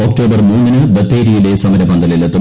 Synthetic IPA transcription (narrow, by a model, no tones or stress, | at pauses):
oːk̚ʈo̞ːbɐrmuːnːinɨbɐt̪ːeːɾijilesɐmɐɾɐpɐnd̪ɐlelɐt̪ːu